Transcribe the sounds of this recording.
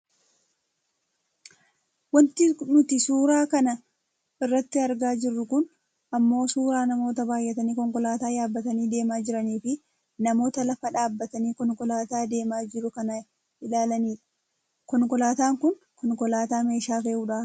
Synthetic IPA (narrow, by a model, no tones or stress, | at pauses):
wɐnt̪ɪnʊt̪ɪsuːɾaːkɐnɐ | ɪrːɐt̪ːɪɐɾɡaːd͡ʒɪrːʊkʊn | ɐmːo̞ːsuːɾaːnɐmo̞ːt̪ɐbaːjʔːɛt̪ɐniːkɔŋkɔlaːt̪aːjaːbːɐt̪ɐniːd̪e̞ːmaːd͡ʒɪɾɐniːfɪ | nɐmo̞ːt̪ɐlɐfɐᶑaːbːɐt̪ɐniːkɔŋkɔlaːt̪aːd̪e̞ːmaːd͡ʒɪɾʊkɐnɐ | ʔɪlaːlɐniːᶑɐ̥ | kɔŋkɔlaːt̪aːŋkʊn | kɔŋkɔlaːt̪aːme̞ːʃaːfeːʔuːᶑa